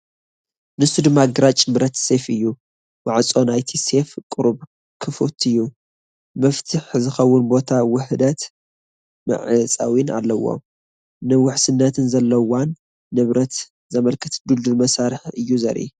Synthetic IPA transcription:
nɨsud̪ɨmːaɡɨɾat͡ʃʼbɾɐt̪se̞fɨjːu | waʕat͡sʼo̞najt̪ʰise̞fkʼɨɾub | kʰɨfut̪ʰɨjːu | mɐft̪ʰɨħzɨxɐwːʊnbo̞t̪ʰawʊħd̪ɐt̪ | mɨ̰ʕɨt͡sʼa̰wina̰lːɐwo̰m | nɨwʊħsɨnːɐt̪ʰɨnzɐlːɐwanː | ɨβɾɐt̪ | zɐmɐlkʰɨt̪d̪uld̪umɐsaɾɨħɨjːuzɐ̰ɾʔḭ

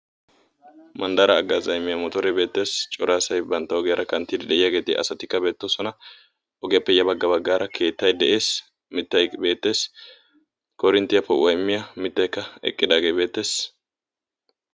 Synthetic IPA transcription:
mɐnd̪ɐɾɐːɡːaːzɐjmːɪjɐmɔt̪ɔɾɛbe̞ːt̪ːe̞ːst͡ʃʼɔɾaːsɐjbɐnt̪ːɐɔɡɪjɐɾɐkɐnt̪ːid̪ɪd̪ɛʔɪjɐɡe̞ːt̪ɪ̰ʔɐ̰sɐt̪ɪkːɐbe̞ːt̪ːɔsɔnɐ | ɔɡɪjɐpːɛjɐbɐɡːɐbɐɡːaːɾʔɐkʰe̞ːt̪ːɐjd̪ɛʔe̞ːs | mɪt̪ːɐjbe̞ːt̪ːe̞ːs | kʰɔɾɪnt̪ːɪjɐpːɛwʔɐjmːɪjɐmɪt̪ːɐjkːɐɛ̰kʼːɪd̪aːɡejbe̞ːt̪ːe̞ːs

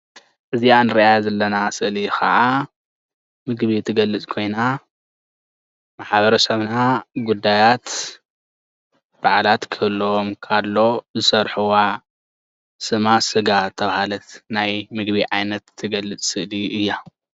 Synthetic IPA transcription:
ʔɨzianɨɾiʔajazɐlːɐnasɨʔlixʰa̰ʔa | mɨɡbit̪ʰɨɡɐlːɨt͡sʼkʰo̞jna | maħβɐɾɐsɐβnaɡud̪ːajat̪ | b̥aʕlat̪kʰɨlːoomkʰalːo̞zɨsɐɾħuwa | sɨmasɨɡat̪ʰɐβahalɐt̪najmɨɡbiʕajnɐt̪ʰːɨɡɐlːɨt͡sʼsɨʔliʔɨjːa

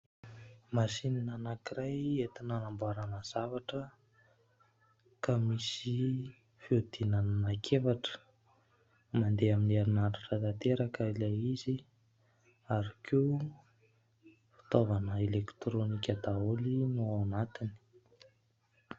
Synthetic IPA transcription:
masininanakiɾajet̪inanambuaɾanəz̥avaʈ͡ʂə | kamisi | fiud̪̥inanənakʰefaʈ͡ʂə̥ | mand̪eaminiaɾinaɾaʈ͡ʂat̪at̪eɾakəilajizi | aɾakeu | fi̥t̪ovanəelekt̪ɾonikʲəd̪aolinuanat̪ini̥

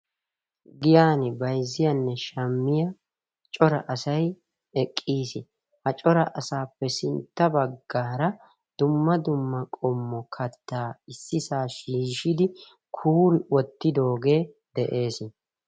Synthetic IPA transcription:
ɡɪjaːnɪbɐjzːɪjɐnːɛʃɐmːɪjɐ | t͡ʃʼɔɾɐʔɐsɐj | ɛkʼːiːsɪ | hɐt͡ʃʼɔɾɐʔɐsaːpːɛsɪnt̪ːɐbɐɡːaːɾɐ | d̪̥ʊmːɐd̪ʊmːɐkʼɔmːɔkʰɐt̪ːaːɪsːɪsaːʃiːʃɪd̪ɪ | kʰuːɾɪwɔt̪ːɪd̪o̞ːɡe̞ː | d̪ɛʔe̞ːsɪ

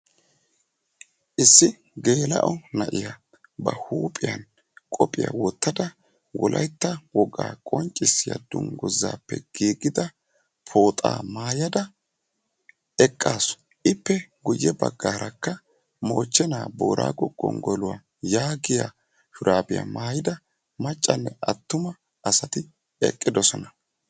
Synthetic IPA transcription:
ʔɪsːɪ | ɡe̞ːlɐ̰ʔɔnɐʔɪja | bɐhuːpʼɪjɐn | kʼɔpʼɪja̰wɔt̪ːɐd̪ɐ | wɔlʔɐjt̪ːɐwɔɡaːkʼɔnt͡ʃʼːɪsːɪjɐ̰d̪ʊŋɡɔzːaːpːɛ̰ɡ̥iːɡɪd̪ɐ | pʰo̞ːt̪ʼaːmaːjɐd̪ɐ | ɛkʼːaːsɔ̥ | ʔɪpːɛɡʊjːɛbɐɡːaːɾɐkːɐ | mo̞ːt͡ʃːɛnaːbo̞̰ːɾʔa̰ːɡɔɡʼːɔ̰ŋɡɔlʊwa | jaːɡɪja | fʊɾʔaːbɪja̰maːjɪd̪ɐ | mɐt͡ʃʼːɐnːɛʔɐt̪ːʊmɐ | ʔɐsɐt̪ɪ | ɛ̰kʼːɪd̪ɔsɔnɐ

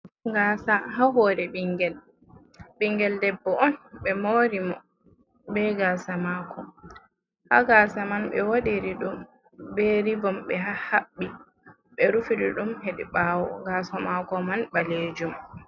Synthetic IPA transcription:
ŋɡaːsaɦaɦɔːɾɛɓiŋɡɛl | biŋɡɛldɛbːɔɔnɓɛmoɾimɔ | bɛɡaːsamaːkɔ | haɡaːsamanɓɛ̰woɗiɾiɗum | bɛɾibɔmɓɛɦahaɓːi | ɓɛɾufiɾiɗumheɗḭɓaːwɔ̰ɡaːsɔmakɔmanbaled͡ʒum

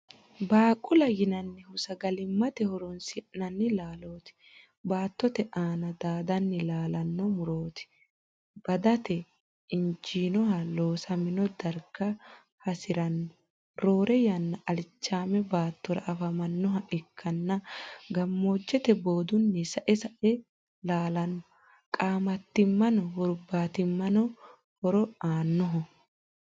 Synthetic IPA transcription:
baːkʼʊlɐjɪnɐnːɪhʊsɐɡɐlɪmːɐt̪ɛhɔɾɔnsɪʔnɐnːɪlaːlo̞ːt̪ɪ̥ | baːt̪ːɔt̪ɛʔaːnɐd̪aːd̪ɐnːɪlaːlɐnːɔmʊɾoːt̪ɪ̥ | b̥ɐd̪ɐt̪ɛ | ɪnd͡ʒiːnɔhɐlo̞ːsɐmɪnɔd̪ɐɾkːɐ | hɐsɪɾɐnːɔ | ɾo̞ːɾʔɛjɐnːɐʔɐlɪt͡ʃːaːmɛbaːt̪ːɔɾɐ̰ɐfɐmɐnːɔɦɐʔɪkʰːɐnːɐɡɐmːo̞ːd͡ʒːɛt̪ɛbo̞ːd̪ʊnːɛsɐʔɛsɐʔɛ | laːlɐnːɔ | kʼaːmɐt̪ːɪmːɐnɔhʊɾbaːt̪ɪmːɐnɔ | hɔɾɔaːnːɔɦɔ

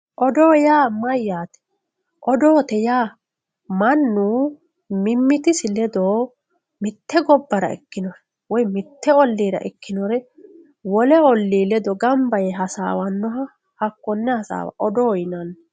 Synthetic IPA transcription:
ʔɔd̪oːjaːmɐjːaːt̪ɛ̥ | ʔɔd̪o̞ːt̪ɛjaː | mɐnːuː | mɪmːɪt̪ɪsɪlɛd̪oː | mɪt̪ːɛɡɔbːɐɾɐ̰ɛ̰kːɪnɔɾ | wɔjmɪt̪ːɛɔlːiːɾɐ̰ʔɛkːɪnɔɾɛ | wɔlɛɔlːiːlɛd̪ɔɡɐmbɐjɛɦɐsa̰ːwɐnːɔɦɐ | hɐkːɔnːɛhɐsa̰ːwa̰ʔɔd̪ojɪnɐn

